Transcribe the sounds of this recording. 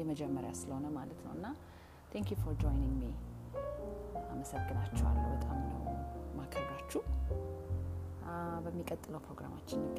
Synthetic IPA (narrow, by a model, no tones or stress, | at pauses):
jɛməd͡ʒɛmːəɾja̰sɨləho̞nəmalət̪nə̰wɨnːa | t̪ʰɛŋkjufoɾd͡ʒojnɪŋɡmi | aməsəɡːɨnat͡ʃːɛwa̰lːəwbət̪ʼamnə̰wmakʰəbat͡ʃːuh | bəmːikʼət̪ʼːɨləwpʰɾo̞ɡɾa̰ma̰t͡ʃːɪnːɪkː